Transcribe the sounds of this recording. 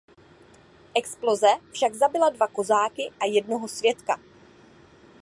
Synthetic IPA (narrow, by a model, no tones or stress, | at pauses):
ʔɛksplo̞zɛfʃaɡzabɪladvako̞zaːkɪʔajɛdno̞ɦo̞svjɛt̪ka̰